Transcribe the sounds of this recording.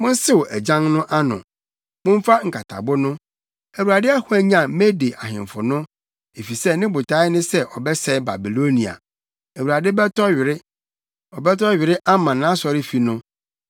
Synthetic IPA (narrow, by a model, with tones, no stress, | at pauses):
mʊ̃˦n̩˦sɪ˦wo˨ʔæ˨d͡ʑã˦ŋnʊ̃˦ʔa˦nʊ̰̃˨ | mʊ̃˦m̩˦fa˦ŋ̩˨kʰa˨tʰa̰˨bʊ˦nʊ̃˦ | æ˨wu˨ɾa˨dɪ˦a˦hʊ˦æ˨ɲã˨˦me˦de˨ʔa̰˨ɦɪ̰̃˨ɱ˨fʊ˨nʊ̃˦ | e˨fi˨sɛ˦nɪ̃˦bʊ˨tʰa˨˦ɪ˦nʊ̃˦sɛ˦ʔɔ˨bɛ˦sɛ˦ba̰˨bi˨lo˦nĩ˨a̰˨ | æ˨wu˨ɾa˨dɪ˦bɛ˦tʰɔ˦ɥɪ˨ɾɪ˦ | ɔ˨bɛ˦tʰɔ˦ɥɪ˨ɾɪ˦ʔa˦mã˨nãː˦sɔ˨ɾɪ˦fi˨nʊ̃˦